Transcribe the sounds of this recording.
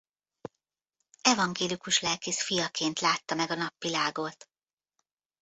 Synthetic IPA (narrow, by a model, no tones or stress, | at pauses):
ɛvɒŋɡeːlikuʃlɛlkisfijɒkʰeːnt̪laːt̪ːɒmɛɡɒnɒpʋilaːɡot̪